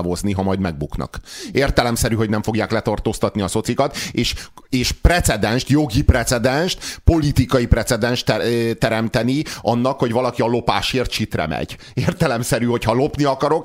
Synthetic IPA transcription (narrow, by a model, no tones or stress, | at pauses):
vozniɦɒmɒjd̪mɛɡ̚buknɒ̰keːrt̪ɛlɛmsɛɾyɦo̞ɟnɛɱfo̞ɡjaːklɛt̪ɒrt̪oːst̪ɒt̪niɒso̞t̪sikɒt̪eːʃeːʃprɛt̪sɛd̪ɛnʃt̪jo̞ɡiprɛt̪sɛd̪ɛnʃt̪po̞lit̪ikɒjiprɛt̪sɛd̪ɛnʃt̪ɛt̪ɛɾɛmt̪ɛniɒnːɒkho̞ɟvɒlɒkiɒlo̞paːʃeːrt̪ʃit̪rɛ̰mɛ̰ɟ̥ | eːrt̪ɛlɛmsɛɾyho̞chɒlo̞pniɒkɒɾo̞k